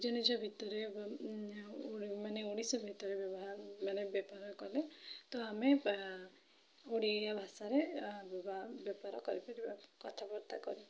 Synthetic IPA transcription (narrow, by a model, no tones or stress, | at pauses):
d͡ʒɔñid͡ʒɔbʱit̪ɔɾe | imaneuɽ̃isɔbʱit̪ɔɾebjɔbɔɦaɾmanebjɔpaɾɔkɔlet̪ɔame | oɽ̃ijabʱasaɾebabjɔpaɾɔkɔɾipaɾibakɔt̪ʰabɔɾt̪a̰kɔ̰ɾi